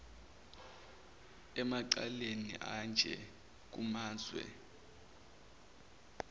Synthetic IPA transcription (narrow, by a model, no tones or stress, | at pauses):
ɛmaǀalenḭʔand͡ʒʱɛ | k̬umaːzwɛ̰